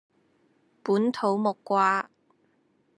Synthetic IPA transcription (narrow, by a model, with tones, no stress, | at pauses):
puː˨˥nt̪ʰo˨˥wmʊ˨kːʷaː˧